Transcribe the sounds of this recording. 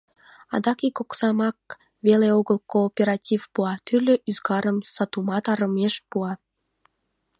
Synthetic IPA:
ɑ̰d̪ɑkikoksɑmɑk̚ | veleoɣəlkoːpʲeɾɑtʲivpuɑt̪yrlʲøʔyzɡɑɾəmsɑt̪umɑt̪ɑɾəmeʃpuɑ

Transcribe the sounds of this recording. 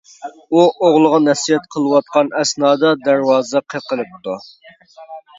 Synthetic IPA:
uʔoʁlˠəʁɑnɛsijɛt̪̚qʰəlˠɨwɑt̪̚qɑnɛsnɑːd̪ɑd̪æɾwɑːzɛqʰəqəlˠɨp̚t̪u

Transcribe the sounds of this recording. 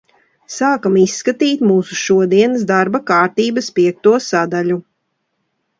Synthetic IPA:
saːkamisːkat̪iːt̪muːsuʃuɔd̪iɛnɨsd̪aɾbakaːɾt̪iːbɐspiɛk̚t̪uɔsad̪aʎʲu

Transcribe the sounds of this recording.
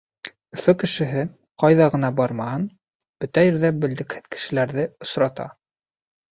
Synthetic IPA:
ɵ̆fɵkɘ̆ʃɘ̆ɦɘ | qɑjðɑʁɤ̆nɑbɑɾmɑhɤn | b̥ɵt̪æjiɾðæbɘ̆ld̪ɘ̆khɘðkɘ̥̆ʃɘ̆læɾðɘŏsɾɑt̪ɑ̰

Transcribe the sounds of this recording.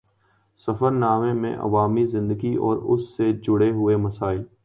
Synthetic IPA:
sɐfəɾnaːmẽmḛ̃ʔɐ̰ʋaːmizɪ̃nd̪əɡiɔ̰ːɾʊ̰sːed͡ʒʊɽeɦʊemɐsaːɪl

